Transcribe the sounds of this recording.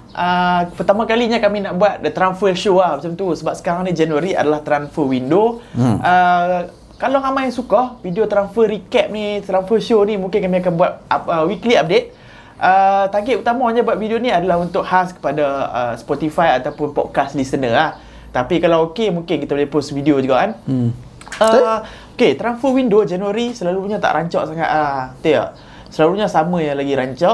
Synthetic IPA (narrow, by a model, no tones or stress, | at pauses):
ʔəpərt̪amãkaliɲakaminaʔbuat̪̚t̪ɾanfəʃoahmat͡ʃamt̪usəbap̚sə̥kaɾaŋnid͡ʒanuəɾia̰dalaht̪ɾanfəwindoʔə | kalɔŋamajaŋsukɔhfidiot̪ɾanfəɾikɛp̚nit̪ɾanfəʃonimũŋkɪnkamĩakanbuat̪̚aəwikliap̚det̪̚ | ʔət̪aɡɪʔut̪amaɲãbwat̪̚fidioniadalaɦunt̪ʊk̚haskə̥padaə̰spɔt̪ifajat̪awpʊnpɔ̰d̪̚kaslisənəlah | t̪apikalawokemũŋkɪnkit̪əbolehposfidiod͡ʒuɡaʔan | ə | oket̪ɾanfəwindod͡ʒanuaɾisəlaluɲãt̪a̰ʔɾʔaɲt͡ʃɔ̰ʔsaŋa̰t̪ət̪iə̰ | səlaluɲasamãjaŋlaɡiɾaɲt͡ʃɔʔ